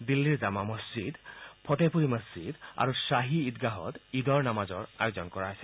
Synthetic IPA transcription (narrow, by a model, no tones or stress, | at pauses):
d̪ilːiɹzamaməsd͡ʑid̪pʰɔtepʰuɹiməsd͡ʑid̪a̰ɹusaɦiːt̪̚ɡaɦɔ̰t̪id̪ɔɹnamazɔɹa̰jozɔnkɔɹaɦɔjsɛ